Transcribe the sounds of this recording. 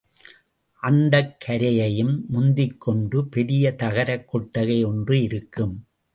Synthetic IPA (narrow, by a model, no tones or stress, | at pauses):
ʔɐnd̪ɐkʰːɐɾɐjɐjɯmːʊnd̪ɪkːɔɳɖɯpɛɾɪjɐt̪ɐɣɐɾɐkːɔʈːɐɣɐɪɔndrɯɪɾɯkːɯm